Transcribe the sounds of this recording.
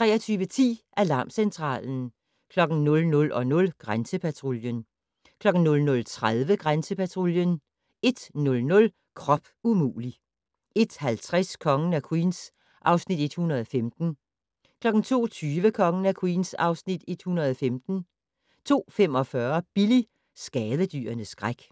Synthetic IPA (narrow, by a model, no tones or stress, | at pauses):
t͡sʰʁɛ̰ːɐt͡sʰyːʋət͡sʰḭːʔælɑ̈ːmsent͡sʰʁɑ̰̈ːln̩ | kʰlɒ̽ɡ̥n̩nɔ̽lnɔ̽lʔɒ̽nɔ̽lɡ̥ʁansəpʰæt͡sʰʁo̝ljən | kʰlɒ̽ɡ̥n̩nɔ̽lnɔ̽lt͡sʰʁaðˠʋəɡ̥ʁansəpæt͡sʰʁo̝ljən | e̝d̥nɔ̽lnɔ̽l | kʰʁɒ̽b̥umṵːli | e̝d̥hælt͡sʰʁaskʰɒ̽ŋən̩ækʰwḭːns | ʔɑ̈ʊsnid̥e̝d̥hunɐð̞̩ˠɒ̽femd̥n̩ | kʰlɒ̽ɡ̥n̩t͡sʰo̝̰ːt͡sʰyːʋəkʰɒ̽ŋn̩ækʰwḭːnsɑ̈ʊsnid̥e̝d̥hunɐðˠɒ̽femd̥n̩ | t͡sʰo̝̰ːfem̰ɒ̽fɶɐb̥ili | sɡ̥ɛːðˠəd̥y̰ːɐnəsɡ̥ʁaɡ̥